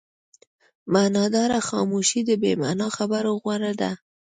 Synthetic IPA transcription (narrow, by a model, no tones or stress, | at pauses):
manɑd̪ɑɾaxɑmuʃid̪əbema̰nɑxabaɾoɣwaɾad̪a